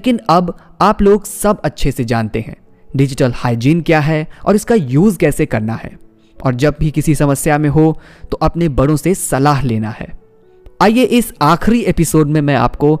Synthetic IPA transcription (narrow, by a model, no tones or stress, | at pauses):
lekɪnɐbaːploːɡsɐbɐtːʃʰesed͡ʒaːnt̪eɦɛ̰̃ː | ɖɪd͡ʒɪʈəlhaːɪd͡ʒiːnkjaːɦɛɔ̰ːɾɪskajuːzkɛːsekɐɾnaɦɛ̰ː | ɔ̰ːɾd͡ʒɐb̚bʱikɪsisɐməsjamẽɦo | t̪oʔɐpnebɐɽõsesɐlaːɦleːnahɛ̰ː | aːijeʔɪsaːxɾiepɪsoːɖmẽmɛ̃a̰ːpko